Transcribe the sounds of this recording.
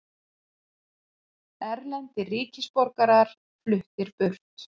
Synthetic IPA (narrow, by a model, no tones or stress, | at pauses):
ɛɾlɛnt̪ɪriːcɪspɔɾkaɾaɾ̥ | flʏht̪ɪɾpʏr̥t̪